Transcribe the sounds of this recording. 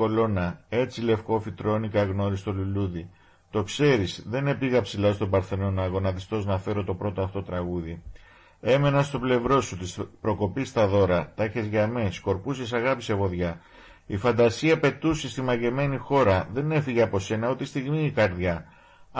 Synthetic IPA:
o̞lo̞nɐe̞t͡sile̞fko̞fit̪ɾo̞nikɐɣno̞ɾist̪o̞luluði | t̪o̞kse̞ɾisðe̞ne̞piɣɐpsilɐst̪o̞bɐɾθe̞no̞nɐɣo̞nɐðist̪o̞znɐfe̞ɾo̞t̪o̞pɾo̞t̪oɐft̪oot̪ɾɐɣuði | e̞me̞nɐst̪o̞ble̞vɾo̞sut̪ispɾo̞ko̞pist̪ɐðo̞ɾɐt̪ɐçe̞zʝɐme̞sko̞ɾpusesɐɣɐpisevo̞ðʝɐ | ifɐnd̪ɐsiɐpe̞t̪usist̪imɐʝe̞me̞nixo̞ɾɐðe̞ne̞fiʝeɐpo̞se̞nɐot̪ist̪iɣmiːkɐɾðʝɐ

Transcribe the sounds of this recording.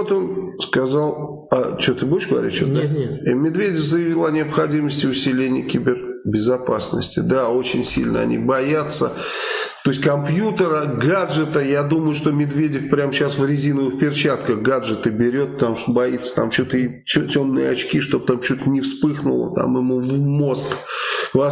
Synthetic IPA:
ot̪onskɐzalˠ | ɐt͡ɕot̪ɨbojɪʂɡ̥əvɐ̰ɾʲḭt̪t͡ɕot̪d̪aimʲɪd̪vʲedʲɪfzəjɪvʲilˠɐnʲɪɐpxɐdʲiməsʲtʲɪʊsʲɪlʲenʲɪjəkʲibʲɪrbʲɪzɐpasnə̰sʲtʲɪ̰d̪ao̞t͡ɕɪnʲsʲḭlʲnə̰ɐ̰nʲʔḭbɐjat̪sːə | t̪o̞jɪsʲtʲkɐmpjut̪əɾəɡaʐɨt̪əjad̪uməjʊʂt̪o̞mʲɪd̪vʲedʲɪfpɾʲamɕasvɾʲɪzʲinəvɨxpʲɪrt͡ɕat̪kəxɡaʐɨt̪ɨbʲɪɾʲo̞t̪̚pət̪amuʂt̪obɐit̪sə̥t̪a̰mt͡ɕot̪əi | otʲo̞mnɨ̰jəɐt͡ɕkʲiʂt̪o̞b̚t̪amt͡ɕut̪nʲɪfspɨxnʊ̰lˠə̰t̪a̰mɪmuvmo̞skkva

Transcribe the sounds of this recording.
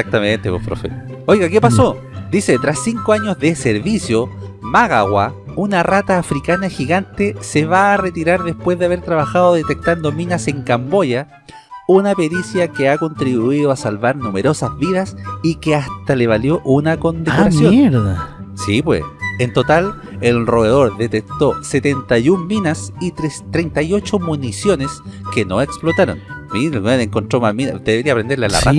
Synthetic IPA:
sak̚t̪ament̪epwepɾo̰fḛ | ojɣakepaso̞ | d̪iset̪ɾasːiŋkoaɲozðeseɾβisjomaɣaɣwa̰unarat̪aːfɾikanaxiɣant̪eseβaːret̪iɾaɾðespwe̞zðeaβe̞ɾt̪ɾaβaxaðoðet̪ek̚t̪and̪o̞minase̞ŋkambo̞ʝa | unape̞ɾisjakeako̞nt̪ɾiβuiðoasalβaɾnumeɾo̞sazβiðasikeast̪aleβaljo̞ʔunako̞nd̪ekoɾasjoneɾðasipwḛsent̪o̞t̪al | elroeðo̞ɾðet̪ek̚t̪oset̪ent̪ajumːinasit̪ɾet̪ɾejnt̪ajo̞t͡ʃomunisjo̞neskenoeksplot̪aɾo̰nminnoeŋkont̪ɾomamina̰d̪eeɾiapɾend̪eɾlea̰la̰ra̰

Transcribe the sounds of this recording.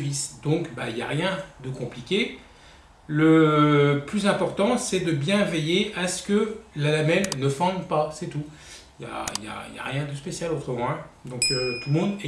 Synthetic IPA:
visd̪ɔ̃kbailjaʁjɛ̃d̪əkɔ̃plikʲe | lə | plyzɛ̃pɔʁt̪ɑ̃sɛd̪əbjɛ̃vejeʔasə̥kəlalamɛlnəfɔ̃d̪pasɛt̪u | ilja̰ḭlja̰ḭlja̰ʁjɛ̃d̪əspesjalot̪χəmɑ̃ɛ̃d̪ɔ̃køt̪ulmɔ̃d̪ɛ

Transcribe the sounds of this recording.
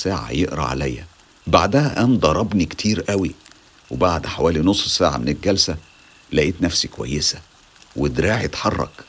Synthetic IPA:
sæːʕa̰jeʔɾɑ̰ʕa̰læjːæ | baʕd̪æhæʔænd̪ˤɑɾˤɑbnikt̪ʰiːɾʔæwi | webaʕd̪ħawæːlinosˤːsæːʕa̰menelɡælsæ | læʔiːt̪næfsikowæ̰jːesæ | wed̪ɾaːʕt̪ħɑrˤːɑ̰k

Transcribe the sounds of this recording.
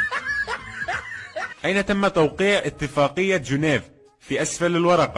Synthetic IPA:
ʔajnat̪amːat̪awqiːʕʔɪt̪ːɪfɑːqɨjːad͡ʒʊneːv | fiːʔasfalalwɑɾˤɑqɑ

